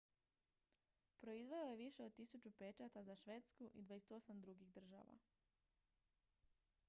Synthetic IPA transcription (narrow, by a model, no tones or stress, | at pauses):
pɾo̞izʋe̞oje̞ʋiʃeod̪̚t̪isut͡ʃupe̞t͡ʃat̪azaʃʋe̞ːt̪skuʔid̪ʋajese̥t̪o̞samd̪ɾuɡiɣd̪r̩ʒa̰ʋa̰